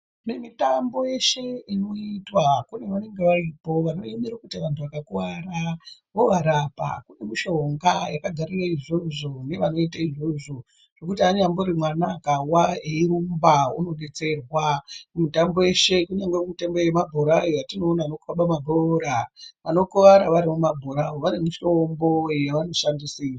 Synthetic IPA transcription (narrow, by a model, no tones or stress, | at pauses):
nemitambo̞je̞ʃe̞ino̞itwakune̞ʋane̞ŋɡe̞ʋaiːpo̞ʋano̞jimiɾakutiʋantʰuʋakakuwaraʋoʋaɾapa̰kune̞miʃo̞ŋɡajakaɡʱaɾiraiʐo̞ʐo̞ne̞ʋano̞itaiʐo̞ʐo̞ | ʐ̥ekutiaɲamborimwanakawaeiɾumbaṵno̞ɗe̞t͡se̞rwakumutamboeʃe̞kuɲaŋɡwekumitembojemabʱoɾawojatino̞ːnaanokuraɓamaɡʱoɾaʋano̞kuʋaɾaʋaɾimumabʱoɾaoʋaɾimuʃombo̞jaʋano̞ʂandisira